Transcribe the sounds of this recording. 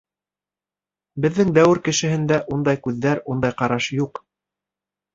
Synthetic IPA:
bɘ̆ðːɘŋd̪æwɘɾkɘ̆ʃɘ̆hɘ̆nd̪æʔund̪ɑjkʉðːæɾund̪ɑjqɑɾɑʃjuq

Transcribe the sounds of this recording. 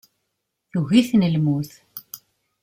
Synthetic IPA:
θuɣiθnəlmuθ

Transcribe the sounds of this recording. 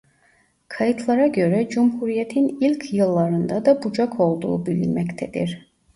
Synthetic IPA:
kʰajɯt̪ʰlˠaɾaɟø̞ɾɛd͡ʒumhuɾijet̪ʰinilʲcʰjɯlˠːɑɾɯnd̪ad̪ɑbud͡ʒakʰo̞lˠd̪ṵːbilʲḭnmɛct̪ʰɛd̪iɾ̥

